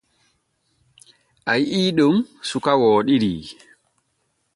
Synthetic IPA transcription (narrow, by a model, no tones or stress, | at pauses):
ʔajiːɗumsukawɔːɗiɾḭ